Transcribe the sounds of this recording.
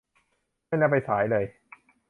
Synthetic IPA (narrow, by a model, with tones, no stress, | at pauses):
ma˥˩jlaː˦˥˩pa˧jsaː˩˦jlɤː˧j